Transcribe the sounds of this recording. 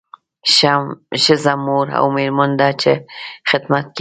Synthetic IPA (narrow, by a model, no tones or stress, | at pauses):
ʃəzamoɾa̰wmeɾmand̪at͡ʃexɪd̪mat̪̚k